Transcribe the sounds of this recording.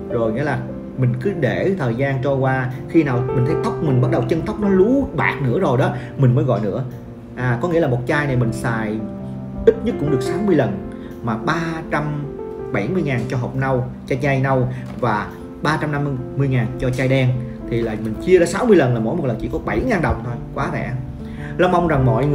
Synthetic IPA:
zo˨˩jŋḭ˧˥əlaː˨˩ | mï˨˩ŋ̟kɨ˨˦ɗe˧˩t̪ʰəː˨˩jzaː˧nt͡ɕɔ˧kwaː˧xi˧naː˨˩wmï˨˩ŋ̟t̪ʰə˨˦jt̪ə˦˥wk͡p̚mï˨˩ŋ̟ɓa˦˥t̚ɗə˨˩wt͡ɕə˧nt̪ə˦˥wk͡p̚nɔ˨˦lu˨˦ɓa̰ː˨˩k̚nɨ̰˧˥əzo˨˩jɗɔ˨˦mï˨˩ŋ̟mə˨˦jɣɔ̰˧˨jnɨ̰˧˥ə | ʔaː˨˩kɔ˨˦ŋḭ˧˥əlaː˨˩mo˨˩t̚t͡ɕaː˧jna˨˩jmï˨˩ŋ̟saː˨˩j | ʔi˦˥t̚ɲə˦˥t̚kʊ̰˧˥ŋ͡mɗɨ˨˩ək̚saː˨˦wmɨ˧əjlə˨˩n | maː˨˩ɓaː˧t͡ɕa˧mɓa˧˩jmɨ˧əjŋaː˨˩nt͡ɕɔ˧ɦo˨˩p̚na˧wt͡ɕaː˧jt͡ɕa˧jna˧w | vaː˨˩ | ɓaː˧t͡ɕa˧mna˧mmɨ˧əjŋaː˨˩nt͡ɕɔ˧t͡ɕaː˧jɗɛ˧ŋ | t̪ʰi˨˩la̰ː˨˩mï˨˩ŋ̟t͡ɕi˧əzɔ˨˦saː˨˦wmɨ˧əjlə˨˩nlaː˨˩mo̰˧˥jm˨˩t̚lə˨˩nt͡ɕḭ˧˨kɔ˨˦ɓa˧˩jŋaː˨˩nɗə˨˩wŋ͡mt̪ʰo˧jkwaː˨˦vɛ̰˧˨ | lə˧wŋ͡mʔa˧wŋ͡mza˨˩ŋmɔ̰˧˨jŋ˨˩

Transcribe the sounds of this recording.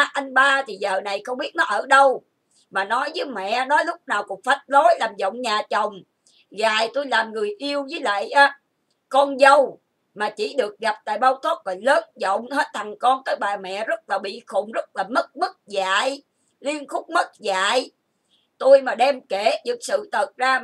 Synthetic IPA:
ʔa˧jŋ̟ɓaː˧t̪ʰi˨˩zəː˨˩na˨˩jxə˧wŋ͡mɓi˦˥ət̚nɔ˨˦ʔəː˧˩ɗə˧w | maː˨˩nɔ˨˦jzəː˨˦jmɛ̰˧˨nɔ˨˦jlʊ˦˥k͡p̚naː˨˩wkək̚fa˨˩˦t̚lo˨˦jlaː˨˩mzo̰˧˨wŋ͡mɲaː˨˩t͡ɕə˨˩wŋ͡m | ɣaː˨˩jt̪u˧jlaː˨˩mŋɨ˨˩əjʔi˧əwzəː˨˦jla̰ː˧˨jʔaː˨˦ | kɔ˧nzə˧w | maː˨˩t͡ɕi˧˩˦ɗɨ˨˩ək̚ɣa˨˩p̚t̪a̰ː˧˨jɓaː˧wt̪o˦˥t̚kɔ˨˩jləː˨˦nzɔ̰˧˨wŋ͡mhəe˦˥t̚t̪ʰa˨˩ŋkɔ˧nt̪əː˨˦jɓaː˨˩mɛ̰˧˨zə˦˥t̚laː˨˩ɓḭ˧˨xʊ̰˧˨ŋ͡mzə˦˥t̚laː˨˩mə˦˥t̚mə˦˥t̚zaː˧˨j | li˧ənxʊ˦˥k͡p̚mə˦˥t̚za̰ː˧˨j | t̪u˧jmaː˨˩ɗɛ˧mke˧˩t͡ɕɨ˨˩ək̚sɨ̰˧˨t̪ʰə˨˩t̚zaː˧

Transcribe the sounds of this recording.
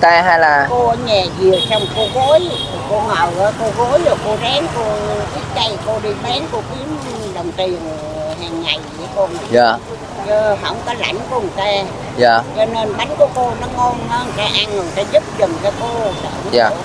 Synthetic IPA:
t̪aː˧ɦa˧jlaː˨˩ko˧ʔɲɛ˨˩zi˨˩ə˩sa˧wŋ͡mko˧ɣo˨˦j | ko˧ŋɔː˨˩wʔəː˨˧˦ko˧ɣo˨˦jlɔ˨˩ko˧ɗaː˨˦ŋko˧ɓi˦˥t̚t͡ɕa˧jko˧ɗi˧ɓɛ˨˦nko˧ki˨˦m | ɗə˨˩wŋ͡mt̪i˨˩ən | ɦaː˨˩ŋːa˨˩jɨ˧˩əko˧n˨˩aː˨˩ | ə˧ɦə̰˧˩wŋ͡mkɔ˨˦la̰˧˩jŋ̟kt̪aː˧ | jaː˨˩t͡ɕɔ˧ne˧nɓa˨˦jŋ̟ku˨˩əko˧nɔ˨˦ŋɔ˧nə˧kaː˨˧˦ʔa˧nə˨˩t̪aː˧zɨ˦˥p̚zə˨˩ŋt͡ɕɔ˧ko˧˨˩sə̰ː˧˩˧a˨˦

